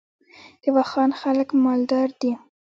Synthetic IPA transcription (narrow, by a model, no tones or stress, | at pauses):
d̪̥əwɑxɑnxaləkmɑld̪ɑɾd̪i